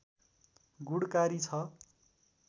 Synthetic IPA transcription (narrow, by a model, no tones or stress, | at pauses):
ɡuɽkaɾit͡sʰʌ